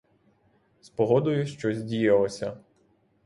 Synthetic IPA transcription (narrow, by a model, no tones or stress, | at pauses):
spɔɦɔd̪ʊjʊʃt͡ʃɔzʲdʲijɐlˠɔsʲɐ